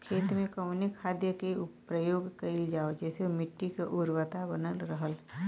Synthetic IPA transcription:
kʰeːt̪mẽkəmnɪkʰːaːd̪jəkepɾəjoːɡkɐɪld͡ʒaːod͡ʒɛːsemɪʈːikeʔʊɾwət̪abənəlɾəɦəl

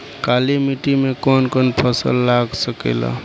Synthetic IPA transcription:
kalimiʈimekɔnkonpʰəsəlːaɡsəkḛla̰

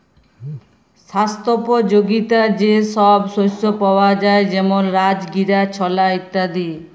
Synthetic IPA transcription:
ʃast̪ʰopod͡ʑoɡit̪ad͡ʑeʃɔbʃojsopaoad͡ʑaed͡ʑɛmonɾad͡ʑɡiɾat͡ɕʰɔlait̪ːad̪i

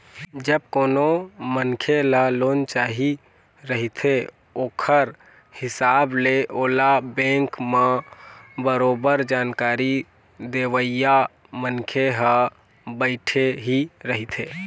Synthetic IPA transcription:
d͡ʒəb̚koːnomənkʰelaloːnt͡ʃaːɦi | ɾəɦit̪ʰe | oːkʰəɾ | hɪsaːbleʔoːlabɛ̃ŋkmã | bəɾoːbəɾd͡ʒaːnkaːɾi | d̪eːʋəja | mənkʰeɦə | bəɪʈʰeɦiɾəɦit̪ʰeː

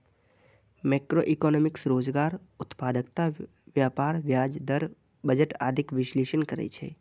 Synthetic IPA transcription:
mɛːkɾoːʔɪkɔːnɔːmɪksɾoːzɡaːɾʊt̪paːd̪əkt̪a | ʋjaːpaːɾʋjaːd͡ʒd̪əɾ | bəd͡ʒəʈa̰ːd̪ʱɪkʋɪʃleːʃənkɐɾɛ̰it͡ʃʰḛː

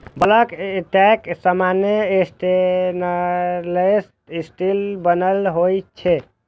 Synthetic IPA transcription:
bələkeʈɛksəmanjeesʈenles | isʈilbənəlɦojt͡ʃʰɛ

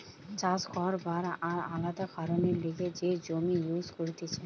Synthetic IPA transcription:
t͡ɕad͡ʑɡɔɾbaɾaɾalad̪akaɾoneɾliɡed͡ʑed͡ʑomijuzkoɾt̪et͡ɕʰe

